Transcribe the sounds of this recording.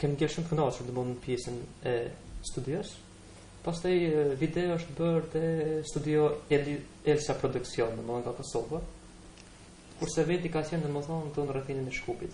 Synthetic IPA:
kɛmɡɛlʃumt̪əknasuɾnd̪əmunnpjɛsənɛst̪ud̪jɔs | past̪ajvid̪ɛɔəʃt̪bəɾðɛst̪ud̪iɔɛ | ɛlsapɾɔd̪uksjɔnːəməðɔnɡakɔsɔva | kuɾsɛvɛt̪ikat͡ɕɛnəmɔðɔnt̪unrɛθininɛʃkupit̪

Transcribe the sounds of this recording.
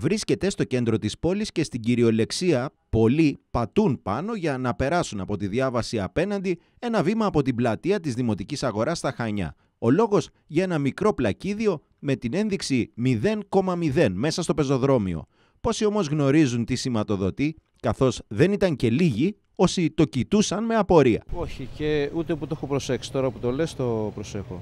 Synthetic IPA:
vɾisce̞t̪e̞st̪o̞ce̞nd̪ɾo̞t̪ispo̞lisce̞st̪iɟiɾio̞le̞ksiɐpo̞lipɐt̪unpɐno̞ʝɐnɐpe̞ɾɐsunɐpo̞t̪iðʝɐvɐsiɐpe̞nɐnd̪i | e̞nɐvimɐːpo̞t̪iblɐt̪iɐt̪izðimo̞t̪icisɐɣo̞ɾɐst̪ɐxɐɲɐ̰ | o̞lo̞ɣo̞z | ʝɐe̞nɐmikɾo̞plɐciðio̞ | me̞t̪ine̞nðiksimiðe̞nko̞mɐmiðe̞nme̞sɐst̪o̞pe̞zo̞ðɾo̞mio̞̰ | po̞sio̞mo̞zɣno̞ɾizunt̪isimɐt̪o̞ðo̞t̪i | kɐθo̞zðe̞nit̪ɐŋce̞liʝi | o̞sit̪o̞cit̪usɐnme̞ɐpo̞ɾiɐ̰o̞çiceut̪eput̪oexopɾo̞se̞ksi̥t̪o̞ɾɐput̪o̞lest̪o̞pɾose̞xo̰

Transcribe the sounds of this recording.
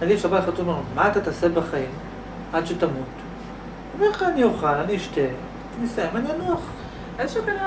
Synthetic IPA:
anisabaχatonomaːt̪at̪asebaχaim | ad̪ʃet̪amut̪ | omeʁχaanijoχalaniːʃt̪e | tnisaimanianuaχ | ezʃukana

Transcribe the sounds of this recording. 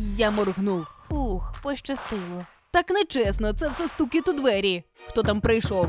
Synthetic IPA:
jamɔrɦnuwhuxpɔʃt͡ʃɐst̪ɪlˠɔ | t̪aknɛt͡ʃɛsnɔt̪sɛwsɛst̪ukʲit̪ʊd̪ʋɛɾʲixt̪ɔt̪ampɾɐjʃɔw

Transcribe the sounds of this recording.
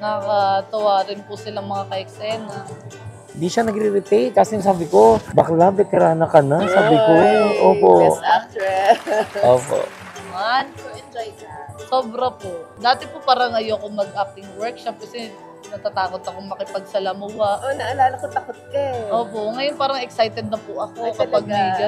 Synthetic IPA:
nɐkɐt̪ɐwaːɾɪnpʊsɪlɐŋmɐŋakɐʔɛksɛnɐ | hɪnd̪iʃanɐɡɾiɾɪt̪ɛj̚kaːsɪŋsaːbɪkobɐklabɛk̪ɐɾaːnɐkɐnaŋsaːbɪkoʔoːpo̰ʔaɛʔoːpo̰ʔ | ɐmand͡ʒajkasoːbɾɐpoʔd̪aːt̪ɪpopaːɾɐŋɐjoɐkomɐɡ̚ʔak̚ɪŋwɛɹk̚ʃɐp̚kɐsɛ | nɐɡ̚t̪at̪aːko̞t̪ɐkoŋmɐkɪpɐɡ̚sɐlɐmʊwɐʔonɐʔɐlaːlɐkot̪ɐkot̪̚kɐʔoːpo̞ŋɐjonpaːɾɐŋɛksajt̪ɛd̪̚nɐpʊʔɐkokɐɡpɐɡ̚nɐjd͡ʒɐ

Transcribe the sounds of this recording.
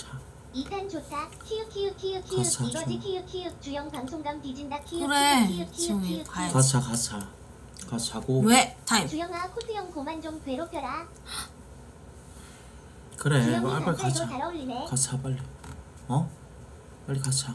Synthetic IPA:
t͡ɕʰa | isʰant͡ɕotʰakʰijɯkʰijɯkʰijɯkʰiɯaiʌd͡ʑikʰijɯkʰijɯk̚t͡ɕujʌŋpaŋsʰoŋɡaŋpid͡ʑindakʰijɯɾeiɯkʰijʰiɯkat͡ɕʰakat͡ɕʰa | kat͡ɕʰaɡowetʰait͡ɕujʌŋakʰusʰɯjʌŋkomand͡ʑoŋtwe̞ɾopʰjʌɾa | kɯɾeʌiapapʰaɯoaaɾʌinekat͡ɕʰapaɭːi | ʌ | paɭːikat͡ɕʰa

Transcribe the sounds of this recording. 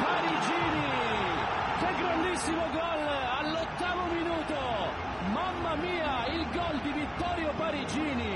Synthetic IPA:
paɾid͡ʒiːni | k̟eɡɾand̪isːimoɡɔlalːɔt̪ːaːmominuːt̪o | mamːamiːa | ilɡɔld̪ivit̪ːɔːɾjopaɾid͡ʒiːni

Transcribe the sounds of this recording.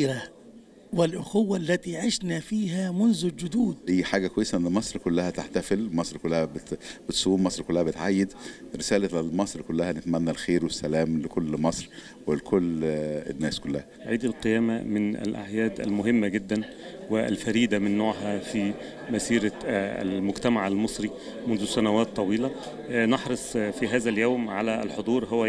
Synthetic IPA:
ɾa | wɪlʔʊxʊwːalːæt̪iːʕeʃnæfiːɦæːmʊnzʊld͡ʒʊd̪uːd̪̚ʔæjːħaːɡækwæjːesæʔenːmɑsˤɾˤkolːæhæt̪aħt̪æfelmɑsˤɾkolːæhæbet̪b̥et̪sˤuːmmɑsˤɾkolːæhæbet̪ʕajːed̪ɾesæːlæelmɑsˤɾkolːæhænet̪mænːælxeːɾwesːælæːmlekolːmɑsˤɾ | welkʰolːenːæːskolːæhæʕiːd̪alqejæːmæmɪnæ̰lʔa̰ʕjæːd̪æ̰lmʊɦɪmːæɡɪd̪ːæn | wɪæ̰lfæɾiːd̪æmɪnːoːʕɦæfi | mæsiːɾææ̰lmʊɡt̪æmaʕælmɨsˤɾi | mʊnzʊsænæwæːt̪ˤːɑwiːlæ | nɑħɾˤɑsˤfiɦæːzæljoːmʕalælħod̪ˤuːɾˤɦowːæ

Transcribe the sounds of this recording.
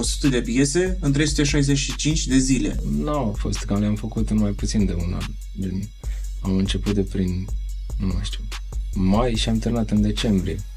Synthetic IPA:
o̞su̥t̪əd̪e̞pje̞se̞ɨnt̪ɾejsu̥t̪e̞ʃajzet͡ʃʃit͡ʃint͡ʃʲd̪e̞zile̞̰nowafo̞st̪kamljamfəkut̪ɨnmajput̪sind̪euna̰n | d̪en | amɨnt͡ʃe̞put̪̚d̪epɾin | numəʃt̪u | majʃiamt̪ɨrnat̪ɨnd̪e̞t͡ʃe̞mbɾije̞

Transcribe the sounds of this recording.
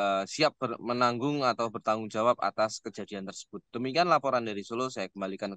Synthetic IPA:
siap̚bərmənaŋɡʊŋat̪awbərt̪aŋɡʊŋd͡ʒawap̚a̰t̪askəd͡ʒa̤diant̪ərsə̥b̥ʊt̪̚d̥əmikianlapoɾandaɾisolosajakəmbalikan

